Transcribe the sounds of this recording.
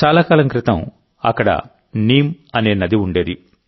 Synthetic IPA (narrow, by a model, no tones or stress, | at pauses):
t͡ʃaːlaːkaːlɐmkɾɪt̪ɐm | ɐ̰kːɐɽɐ̰ | niːmɐne̞ːnɐd̪iuɳɖe̞ːd̪i